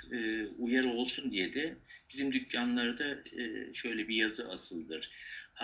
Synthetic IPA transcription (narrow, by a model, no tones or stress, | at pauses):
ɯːujaɾo̞lˠsund̪ijed̪ɛb̥izimd̪ycʰːanlˠaɾd̪aːʃø̞jlʲɛbijazɯʔasɯlˠd̪ɯɾ̥ha